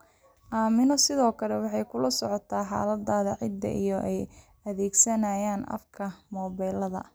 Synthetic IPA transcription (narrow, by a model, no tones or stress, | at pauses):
ʔaːmɪnɔsɪðɔːkʰɐlɛwɑħɑjkʰʊlɐsɔʕɔt̪ʰaːħɑ̰ːlɐd̪aːðɐʕɪ̰d̪ɐ̰ʔijɔʔɛj | ɐðɛːɡsɐnaːjaːnɐ̰fkʰɐmɔːβɛːlɐðɐ̰